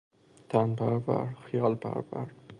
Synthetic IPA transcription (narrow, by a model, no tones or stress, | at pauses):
t̪ʰanbaɾba̰ɾχɪjɒlba̰ɾbaɾ